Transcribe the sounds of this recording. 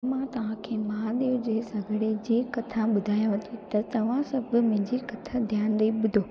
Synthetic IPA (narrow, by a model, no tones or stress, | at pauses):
mãt̪ɐʋ̤ãkʰeːmaaɗ̪eːd͡ʑeːsɐɡʱəɽed͡ʑeːkɐt̪ʰãɓʊd̪ʱaːjot̪ʰet̪ɐt̪ɐʋ̤ãsɐbʱʊ̆mɪ̃ɦɲd͡ʑikɐt̪ʰad̪ʱjaːnd̪ɐiɓʊd̪ʱoː